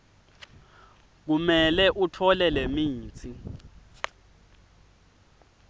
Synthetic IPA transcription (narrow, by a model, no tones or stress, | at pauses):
k̬umɛlɛʔutʰɔlɛlemiːt͡sʰʼi